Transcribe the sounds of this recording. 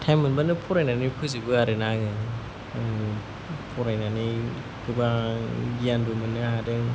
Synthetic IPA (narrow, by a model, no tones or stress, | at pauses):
tʰamɯnbanɯpʰuɾajnanipʰɯzibɯaɾɯnaŋɯ | pʰuɾajnani | kʰɯbaɡiandumɯnːɯɦadɯŋ